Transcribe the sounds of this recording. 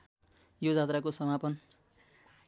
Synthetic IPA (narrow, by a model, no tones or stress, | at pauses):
jod͡zat̪rakosʌmapʌn